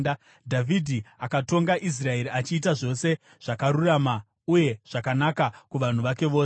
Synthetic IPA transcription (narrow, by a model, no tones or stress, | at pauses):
dʱavʱidʱiakato̞ŋɡaʔis̬rae̞ɾiat͡ʃiːtaʐo̞se̞ | ʐ̥akaɾurama | uje̞ʐ̥akanakakuʋan̤uʋake̞ʋoːs